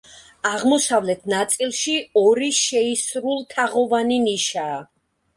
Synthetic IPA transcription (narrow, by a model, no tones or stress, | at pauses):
aʁmɔsavlɛt̪ʰnat̪sʼilˠʃiɔɾiʃɛisɾulˠt̪ʰaʁɔvaniniʃaː